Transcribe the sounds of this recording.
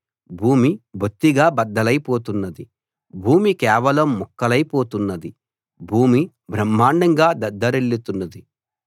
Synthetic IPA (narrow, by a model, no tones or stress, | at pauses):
bʱuːmibʱot̪ːiɡaːbɐd̪ːɐlɐjpoːt̪unːɐd̪i | bʱuːmikɛːʋɐlɐmːukːɐlɐjpoːt̪unːɐd̪i | bʱuːmi | bʱɾɐmːaːɳɖɐŋɡaːd̪ɐd̪ːɐɾeɭːit̪unːɐd̪i